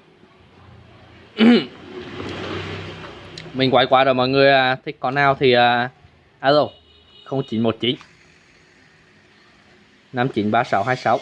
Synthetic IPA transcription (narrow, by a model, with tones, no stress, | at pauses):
ʔm | mï˨˩ŋ̟kwaː˧˩jkwaː˧˦zo˨˩jmɔː˧˨jŋɨ˨˩əjʔaː˨˩t̪ʰï˦˥k̚kɔ˨˦naː˧wt̪ʰi˨˩ʔəː˨˩ | ʔaː˧lo˨˩ | xə˧wŋ͡mt͡ɕḭ˧˨nmo˨˩t̚t͡ɕḭ˧˨˦n | na˧mt͡ɕḭ˧˨˦nɓaː˧sa˧˦wɦaː˧jsa˧˦w